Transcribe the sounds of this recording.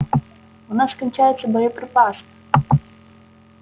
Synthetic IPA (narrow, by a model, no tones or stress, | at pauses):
ʊnasːkɐnʲt͡ʃajɪt̪sːəd̪ɔjɔpɾɪpas